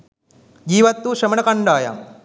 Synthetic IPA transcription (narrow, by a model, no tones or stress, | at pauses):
d͡ʒiːʋɐt̪ːuʃɾɐmɐnɐkɐɳɖaːja̰ːm